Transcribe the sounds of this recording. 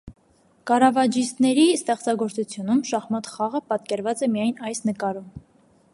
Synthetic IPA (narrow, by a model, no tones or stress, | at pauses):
kɑrɑvɑd͡ʒist̪nɛɾist̪ɛχt͡sɑɡɔɾt͡sut͡sʰjunumʃɑχmɑt̪χɑʁəpɑt̪kɛɾvɑt͡sɛmijɑjnɑjsnəkɑɾum